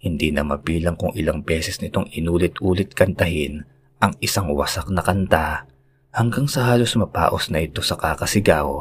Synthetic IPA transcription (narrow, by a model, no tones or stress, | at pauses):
hɪnd̪inɐmɐbiːlɐŋkʊŋʔɪlaŋbɛːsɛsnɪt̪o̞ŋɪnuːlɪt̪̚ʔuːlɪt̪̚kɐnt̪ɐɦɪn | ʔɐŋɪsaŋwɐ̰sak̚nɐkɐnt̪a | hɐŋɡaŋsɐhaːlo̞smɐpa̰ːʔo̞snɐʔɪt̪o̞sɐkakɐsɪɡaːʔo̞̰